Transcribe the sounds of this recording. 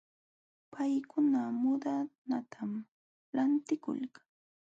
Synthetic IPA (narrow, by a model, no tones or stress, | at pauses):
pʰajkʊnamʊd̪anat̪ʰam | lant̪ɪkʊ̰lkḁŋ